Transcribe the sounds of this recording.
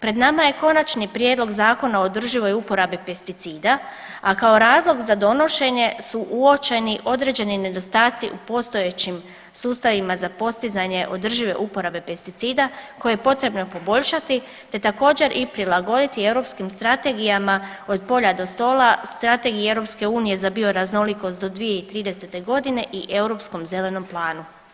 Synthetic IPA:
pɾe̞d̪namaje̞ko̞nat͡ʃnipɾje̞d̪lo̞ɡzaːko̞naod̪r̩ʒiʋo̞jupo̞ɾabipe̞st̪it̪siːd̪a | akao̞ɾaːzlˠo̞ɡzad̪o̞no̞ʃe̞ɲe̞suʔuo̞t͡ʃe̞niʔo̞d̪ɾe̞d͡ʑe̞nine̞d̪o̞st̪aːt̪sḭʔupo̞st̪o̞je̞t͡ɕim | suːst̪aʋimazapo̞st̪izaɲe̞ʔo̞d̪r̩ʒiʋe̞̰ʔupo̞ɾabe̞pe̞st̪it̪siːd̪ako̞jejepo̞t̪ɾe̞bno̞po̞bo̞ʎʃat̪i | t̪e̞t̪ako̞ːd͡ʑe̞ɾʔipɾilˠaɡo̞d̪it̪ie̞wɾo̞pskimst̪ɾat̪e̞ɡijamao̞d̪̚po̞ʎad̪o̞st̪o̞ːlˠast̪ɾat̪e̞ɡiie̞wɾo̞pske̞uːnije̞zabio̞ɾazno̞liko̞st̪d̪o̞d̪ʋije̞it̪ɾiːd̪e̞se̞t̪e̞ɡo̞d̪ine̞ʔiʔe̞uwɾo̞psko̞mze̞le̞no̞mplˠaːnu

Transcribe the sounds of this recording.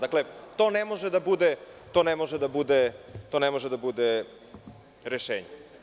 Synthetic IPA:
d̪aklet̪oːnemo̞ʒed̪abud̪et̪onemo̞ʒed̪abud̪et̪o̞nɛmoʒed̪abud̪e | ɾeʃeːɲe

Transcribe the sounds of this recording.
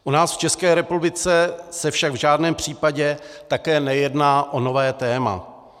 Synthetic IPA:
ʔunaːsft͡ʃɛskɛːɾɛpublɪt͡sɛsɛfʃaɡvʒaːdnɛːmpr̝̥iːpaɟɛt̪akɛːnɛjɛdnaːʔono̞vɛːt̪ɛːma̰

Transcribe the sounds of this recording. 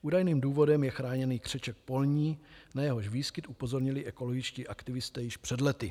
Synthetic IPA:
ʔuːdajniːmduːvo̞dɛmjɛxɾaːɲɛniːkr̥ɛt͡ʃɛk̚po̞lɲiːnajɛɦoʃviːskɪt̪ʔupo̞zo̞ɾɲɪlɪʔɛko̞loɡɪt͡ʃciːʔakt̪ɪvɪst̪ɛːjɪʃpr̝̥ɛdlɛt̪ɪ

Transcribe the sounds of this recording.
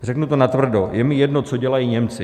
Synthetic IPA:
rɛknut̪o̞nat̪vr̩dojɛmɪjɛdnot͡soɟɛlajiːɲɛmt͡sɪ

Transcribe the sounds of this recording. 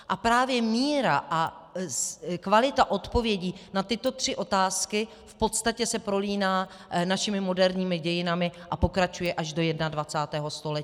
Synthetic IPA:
ʔapɾaːvjɛmiːɾaʔa | kvalɪt̪aʔo̞t̪po̞vjɛɟiːnat̪ɪt̪o̞t̪r̥ɪʔo̞t̪aːskɪ | fpo̞t̪st̪acɛsɛpɾo̞liːnaː | naʃɪmɪmo̞dɛɾɲiːmɪɟɛjɪnamɪʔapo̞kɾat͡ʃujɛʔaʒdo̞jɛdnadvat͡saːt̪ɛːɦo̞st̪o̞lɛciː

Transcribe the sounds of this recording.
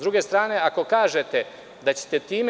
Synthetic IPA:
d̪ɾuːɡe̞st̪ɾaːne̞ako̞kaːʒe̞t̪e | d̪at͡ɕe̥t̪e̞t̪iːm

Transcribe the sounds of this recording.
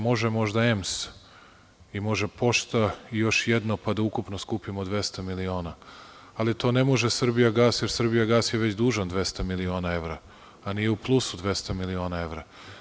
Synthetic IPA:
mo̞ʒemo̞ʒd̪aems | imo̞ʒepo̞ʃt̪aijo̞ʃjed̪nopad̪aukupnoskupimod̪ʋe̞st̪amilio̞ːna | alit̪ʰo̞ːne̞mo̞ʒesr̩bijaɡaːsjeɾsr̩bijaɡaːsjeʋe̞t͡ɕd̪uːʒand̪ʋe̞st̪amilio̞ːnae̞ʋɾaː | nijeuplˠusud̪ʋe̞st̪amilio̞ːnae̞ʋɾa

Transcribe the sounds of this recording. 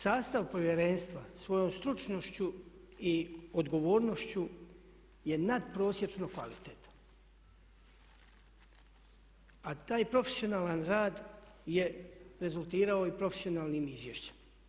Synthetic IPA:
saːst̪aʋpo̞ʋjeɾenst̪ʋasʋo̞jo̞ːmst̪ɾut͡ʃno̞ʃt͡ɕuiod̪ɡo̞ʋo̞ːɾno̞ʃt͡ɕu | je̞nad̪pɾo̞ːsje̞t͡ʃnokʋa̰lit̪et̪ḁ | at̪aːjpɾo̞fe̥sio̞naːlanɾaːd̪ | je̞ɾe̞zulˠt̪iːɾao̞ipɾo̞fesio̞naːlniːmizʋjeʃt͡ɕe̥ma

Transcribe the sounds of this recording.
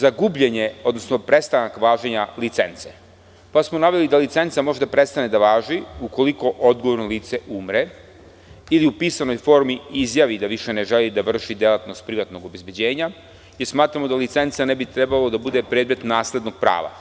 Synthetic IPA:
zaɡubʎeɲe̞o̞d̪no̞sno̞pɾe̞st̪anakʋaːʒeɲalit̪se̞nt̪se | pasmonaʋe̞lid̪alit̪se̞nt̪samo̞ʒed̪apɾe̞st̪ane̞d̪aʋaːʒiuko̞liko̞ʔo̞d̪ɡoʋo̞ɾnoliːt̪se̞umɾe̞ | iliupiːsano̞jfo̞ɾmiizjaʋid̪aʋiʃe̞ne̞ʒe̞lid̪aʋr̩ʃid̪jelˠat̪no̞st̪̚pɾiʋat̪no̞ɡo̞be̞zbed͡ʑeːɲa | jeɾsmaːt̪ɾamo̞d̪alit̪se̞nt̪sane̞bit̪ɾe̞balo̞d̪abud̪e̞pɾed̪me̞t̪naːsle̞d̪no̞ɡ̚pɾa̰ːʋa̰

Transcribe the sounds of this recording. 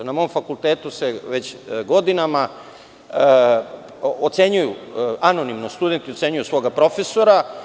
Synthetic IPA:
namo̞mfakulˠt̪eːt̪use̞ʋe̞t͡ɕɡo̞d̪inama | ot̪se̞ɲujuano̞nimnost̪ud̪e̞nt̪io̞t̪se̞ɲujusʋo̞ɡapɾo̞fe̞so̞ɾa

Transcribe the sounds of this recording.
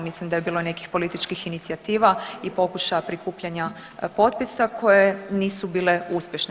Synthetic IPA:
mislimd̪ajebiːlˠo̞ne̞ki̥xpo̞lit̪it͡ʃkixinit̪siat̪iːʋaipo̞kuʃajapɾikuːpʎaɲa | po̞t̪̚pisakʰo̞jeniːsubiːle̞uspʲjeʃn

